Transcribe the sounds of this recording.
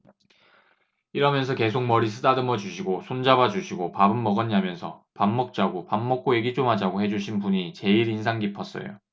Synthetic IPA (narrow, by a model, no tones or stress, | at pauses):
iɾʌmjʌnsʰʌke̞sʰok̚mʌɾisʰɯdadɯmʌd͡ʑuɕʰiɡosʰond͡ʑabad͡ʑuɕʰiɡopabɯnmʌɡʌɲamjʌnsʰʌ̰pamːʌk̚t͡ɕ͈aɡopamːʌk̚k͈oeɡit͡ɕ͈omɦad͡ʑaɡohe̞d͡ʑuɕʰinpuɲit͡ɕe̞iɾins̬ʰaŋɡipʰʌs͈ʌ̰jo̰